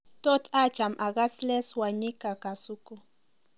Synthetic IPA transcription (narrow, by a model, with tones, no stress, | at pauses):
tʼɔ˦tʰḁ˦t͡ʃa˨mʔa˨ka˦slɛ˦swa˨ɲi˦ka˨ka˨su˦ku˦